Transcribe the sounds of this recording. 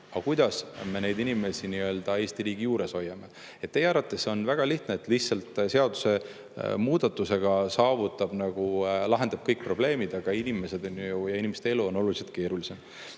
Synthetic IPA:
ɑkujd̪̥ɑsme̞ne̞jd̪inime̞siniø̞ːld̪̥ɑe̞ːsʲt̪iɾiːɡ̥ijuːɾe̞so̞jːɑme̞ | et̪̚ːe̞jeɑɾɑt̪ːˑesonvæɡ̥ɑliht̪neːt̪ːˑliçt̪sɑlt̪ˑse̞ɑd̪̥u̥se̞ | muːd̪̥ɑt̪ːˑuse̞ɡ̥ɑsɑːvut̪ːˑɑb̥nɑɡ̥ulɑɦe̞nd̪̥ɑb̥̚kɤjk̚pro̞b̥le̞ːmid̪ɑɡ̥ɑinime̞se̞d̪̥onujɑinime̞st̪ee̞luo̞no̞luliselt̪̚ke̞ːɾulise̞m

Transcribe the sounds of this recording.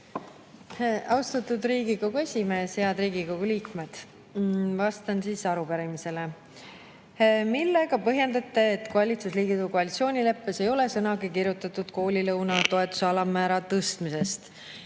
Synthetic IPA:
ɑwst̪ɑt̪ud̪ɾiːɡiko̞ɡ̥ue̞sʲime̞ːsheɑd̪ɾiːɡiko̞ɡ̥uliːkme̞d̪̥ | vɑst̪ɑnsiːsɑɾupæɾimise̞le | milːe̞ɡ̥ɑpɤɦje̞nd̪ɑt̪ːe̞ːt̪koɑlʲit̪susliːɡit̪uko̞ɑlit̪sio̞ːnʲile̞pːese̞jo̞le̞sɤnɑɡikirjut̪ːˑɑt̪ːˑud̪̥ko̞ːlʲilɤwnɑt̪o̞e̞t̪ːˑu̥seɑlɑmæːɾɑt̪ɤst̪mise̞st̪

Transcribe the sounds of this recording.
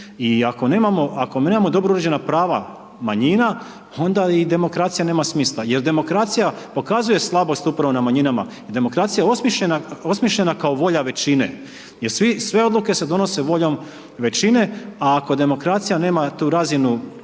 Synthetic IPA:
iako̞ne̞ːmamo̞ako̞mnemamo̞d̪o̞bɾouɾed͡ʑe̞napɾaːʋa̰ | maɲina | o̞nd̪aid̪e̞mo̞kɾaːt̪sijane̞ːmasmiːslˠaje̞ɾd̪e̞mo̞kɾaːt̪sijapo̞kazuje̞slˠabo̞st̪upɾaʋo̞namaɲinama̰jed̪e̞mo̞kɾat̪sijao̞smiʃʎenao̞smiʃʎe̞nakaoʋo̞ʎaʋe̞t͡ɕinḛ | jeɾsʋisʋe̞o̞d̪lˠuke̞se̞d̪o̞no̞se̞ʋo̞ʎo̞m | ʋe̞t͡ɕine̞aːko̞d̪e̞mo̞kɾaːt̪sijane̞ːmat̪uːɾazinu

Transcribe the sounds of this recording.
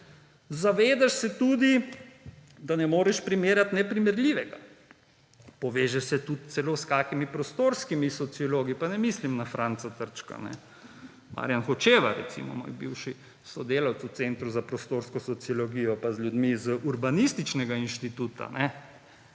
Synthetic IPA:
zaʋeːd̪aʃsɛt̪uːd̪i | d̪anɛmoːɾɛʃpɾimeːɾjat̪nɛpɾimɛɾlʲiʋɛɡa | pɔʋeːʒɛsɛt̪ut̪sɛloːskaːkimipɾɔst̪oːɾskimisɔt̪siɔloːɡipanɛmislimnafɾaːnt̪sat̪əɾt͡ʃka̰nɛ̰ | mʔa̰ɾjanxɔt͡ʃeːʋaɾɛ̰t̪sḭmɔ̰mo̰ːjbiwʃi | sɔd̪eːlawt̪susent̪ɾuzapɾɔst̪oɾskɔsɔt̪siɔlɔɡiːjɔpazlʲjud̪mizəʔuɾbanist̪it͡ʃnɛɡainʃt̪it̪uːt̪a̰nɛ

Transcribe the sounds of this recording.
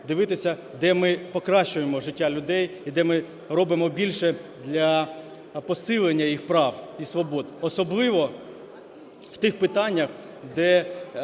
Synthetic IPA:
d̪ɪʋɪt̪ɪsʲɐ | d̪ɛmɪpɔkɾɑʃt͡ʃʊjemɔʒɪtʲːalʲʊd̪ɛjid̪ɛmɪ | rɔbɪmɔbʲilʲʃɛd̪lʲɐ | pɔsɪlˠenʲːɐjixpɾɑwisʋɔbɔd̪ɔsɔblˠɪʋɔ | w̥t̪ɪxpɪt̪ɑnʲːɐx | d̪ɛ

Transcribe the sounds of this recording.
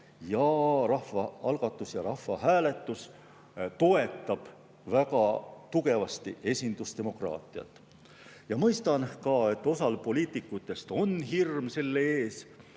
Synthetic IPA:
jɑrɑhvɑɑlɡ̥ɑt̪ːˑusjɑɾɑhːɑɦæːle̞t̪ːˑus | t̪o̞e̞t̪ːˑɑb̥ | vækɑt̪uɡe̞vɑst̪ḭʔe̞sʲind̪̥ust̪e̞mo̞krɑ̰ːt̪ˑiɑ̰t̪ːˑ | jɑmɤjst̪ɑnkɑːe̞t̪ːˑo̞sɑlpo̞lʲiːt̪ˑikːˑut̪ˑːe̞st̪o̞nɦirmse̞lːeeːs

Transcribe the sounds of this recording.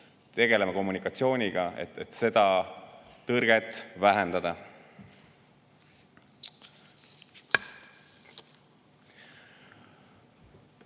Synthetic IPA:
t̪e̞ɡ̥e̞lemɑko̞mːunikːˑɑt̪sio̞ːnʲiɡ̥ɑḛt̪et̪ːse̞d̪̥ɑ | t̪ɤrɡ̥e̞t̪ːˑvæɦend̪ɑd̪̥ɑ

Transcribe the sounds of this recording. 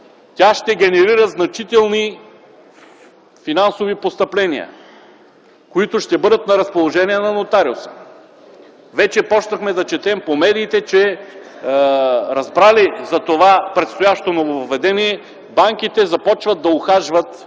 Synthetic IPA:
t̪ʲaʃt̪ɛɡʲɛnɛɾiɾəznɐt͡ʃit̪ɛlˠni | finansovipost̪ɐplɛniə̰ | koit̪ʊʃt̪ɛbɤd̪ət̪nɐɾɐspolˠoʒɛniɛnɐnot̪aɾio̰sə̥ | vɛt͡ʃɛpɔt͡ʃnɐxmɛd̪ɐt͡ʃɛt̪ɛmpomɛd̪iːt̪ɛt͡ʃɛ | ɾɐzbɾalizɐt̪ovapɾɛt̪st̪ojaʃt̪onovovɛd̪ɛniɛ | baŋk̟it̪ɛzɐpɔt͡ʃvət̪̚d̪ɐʊxaʒvət̪

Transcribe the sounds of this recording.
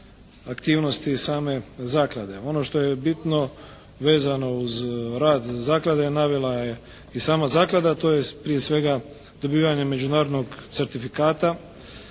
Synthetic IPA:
akt̪iːʋno̞st̪isaːme̞zaːklad̪e̞o̞no̞ʃt̪o̞je̞bit̪no̞ | ʋe̞ːzano̞uzɾaːd̪zaːklˠad̪e̞naʋelˠaje | isaːmazaːklˠad̪at̪o̞ːjepɾijesʋe̞ɡa | d̪̥o̞biːʋaɲe̞me̞d͡ʒunaːɾod̪no̞ɡt̪se̞ɾt̪ifikaːt̪a

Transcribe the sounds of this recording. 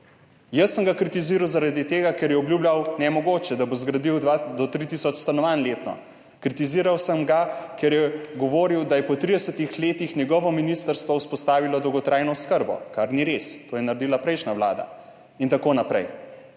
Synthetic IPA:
jəsːəmɡakɾit̪iziːɾawzaɾad̪it̪eːɡakɛɾjɛɔbljuːblʲjawnɛmɔɡoːt͡ʃɛd̪abozɡɾad̪iwd̪ad̪ɔt̪ɾit̪isɔt͡ʃst̪anɔʋanleːt̪nɔ̰ | kɾit̪iziːɾawsəmɡakɛɾjɛɡɔʋoːɾiwd̪ajɛpɔt̪ɾid̪ɛsət̪ixleːt̪ixnjɛɡɔʋɔminist̪əɾst̪ʋɔuspɔst̪aːʋilɔd̪ɔwɡɔt̪ɾʔajnɔskəɾbɔ̰kaɾniɾest̪oːjɛnaɾed̪iːlapɾɛjʃnaʋla̰ːd̪a̰ | int̪akoːnapɾɛ̰j

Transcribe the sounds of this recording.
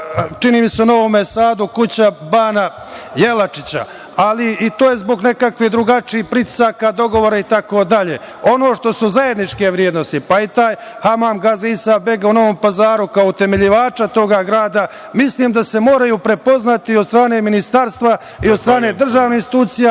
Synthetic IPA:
t͡ʃiniːmiseuno̞ʋo̞mesaːd̪ukut͡ɕabaːna | je̞lat͡ʃit͡ɕa̰ | aliit̪oːjezbo̞ɡne̞kakʋid̪ɾuɡat͡ʃiːhpɾit̪i̥saːkad̪o̞ɡo̞ʋo̞ːɾait̪ako̞ːd̪aʎe̞̰ː | o̞no̞ːʃt̪o̞suzaje̞d̪nit͡ʃke̞ʋɾjeːd̪no̞st̪ipait̪aːj | hamaːmɡazisabe̞ɡauno̞ʋo̞mpazaːɾukaout̪e̞meʎiʋaːt͡ʃat̪o̞ɡaɡɾaːd̪a | misliːmd̪ase̞mo̞ːɾajuːpɾe̞po̞znat̪iod̪st̪ɾaːne̞minist̪aɾst̪ʋa | iod̪st̪ɾaːne̞d̪r̩ʒaːʋnehinst̪i̥t̪uːt̪sija

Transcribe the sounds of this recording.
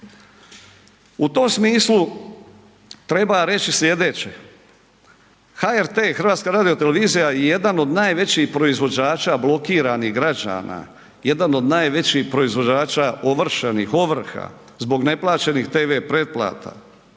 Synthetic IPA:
ut̪o̞msmiːslˠu | t̪ɾe̞baɾe̞t͡ɕislʲje̞d̪e̞ːt͡ɕe | xaeɾt̪eːxrʋaːt̪skaɾaːd̪ijo̞t̪eleʋiːzijajeje̞d̪ano̞d̪naːjʋe̞t͡ɕiːxpɾo̞izʋo̞d͡ʑaːt͡ʃaːblˠo̞kiːɾaniɦɡɾad͡ʑa̰ːna̰ | je̞d̪ano̞d̪naːjʋe̞t͡ɕihpɾo̞izʋo̞d͡ʑaːt͡ʃaʔo̞ʋr̩ʃenixo̞ʋr̩xa̰ | zbo̞ɡne̞plˠaːt͡ʃe̞nixt̪e̞ːʋe̞pɾe̞t̪̚plˠa̰ːt̪a̰

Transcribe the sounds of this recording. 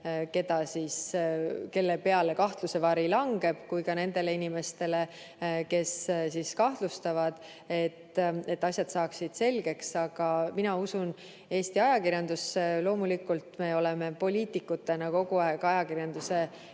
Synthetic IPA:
ke̞t̪ɑsiske̞lːepe̞ɑle̞kɑht̪luse̞vɑɾilɑŋɡ̥e̞b̥kujkɑne̞nd̪e̞le̞inʲime̞st̪e̞le̞ | ke̞ssiskɑht̪lust̪ɑvɑd̪̥ | e̞t̪ːe̞t̪ːˑɑsʲjɑd̪̥sɑːksid̪̥se̞lɡ̥e̞ksɑɡ̥ɑminɑusun | e̞ːst̪iɑjɑkirjɑnd̪̥uselo̞ːmulikːult̪me̞o̞le̞me̞po̞lʲiːt̪ikːˑut̪ːˑe̞nɑko̞ɡ̥uɑeɡ̥ɑjɑkirjɑnd̪use̞

